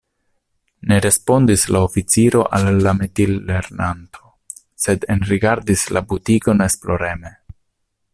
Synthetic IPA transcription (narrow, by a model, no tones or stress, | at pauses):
ne̞ɾe̞spo̞nd̪islaofit͡siɾo̞ʔalːamet̪ilːe̞ɾnantʰo̞ | se̞d̪enɾiɡaɾdislabutiɡo̞nesplo̞ɾeme